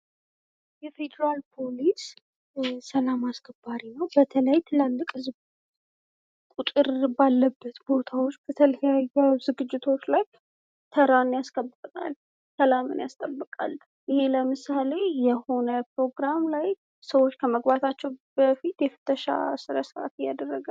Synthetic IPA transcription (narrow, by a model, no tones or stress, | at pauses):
jɛfe̞d̪əɾalpʰo̞lis | səlamasɡəbːaɾinəwbət̪ʰələjt̪ʰɨlalːɨkʼɨz | kʼut̪ʼɨɾbalːəbːət̪bo̞t̪ʰawo̞t͡ʃːb̥ət̪ʰələjajːəwzɨɡɨd͡ʒːɪt̪ʰo̞t͡ʃːlaj | t̪ʰəɾanjaskʼəbːɨt̪ʼna̰l | səlamɨ̰njast̪ʼəbːɨkʼa̰lː | ʔɪheləmɨsale̞jɛho̞nəpɾo̞ɡɾamlaj | səwo̞t͡ʃːkʰəməɡbat̪ʰat͡ʃːɛwb̥əfit̪jɛfɨ̥t̪ʰəʃa̰sɨɾəsɨɾa̰t̪ɪjad̪ərːəɡa